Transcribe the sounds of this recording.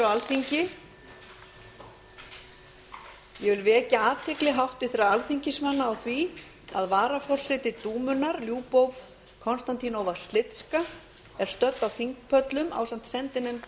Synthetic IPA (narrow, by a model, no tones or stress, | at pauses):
walθiɲcɪ | jɛvɪlvɛcaaːt̪ʰɪklɪɦawht̪ɪθɪɾaalθiɲcɪsmanːaːwθvi | a̰ðvaːɾafɔr̥sɪt̪ɪt̪uːmʏnaɾljuːpowv | kʰɔnst̪ant̪ʰinoːwvḁst̪lɪt̪ska | ɛɾ̥st̪œt̪nawθiŋkpʰœt̪lʏma̰ːwsam̥t̪sɛnt̪ɪnɛm